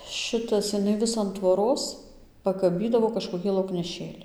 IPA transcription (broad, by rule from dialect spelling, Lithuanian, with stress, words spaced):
ˈʃʲɪtɐs jɪˈnɐɪ ˈʋʲɪs ɐn tʋoːˈroːs pɐkɐˈbʲiːdɐʋoː kɐʃkoːˈkʲiː lˠɐʊknʲɛˈʃʲeːlʲɪ